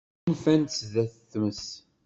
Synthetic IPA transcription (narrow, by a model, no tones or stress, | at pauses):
nfænt̪sðæθəθməs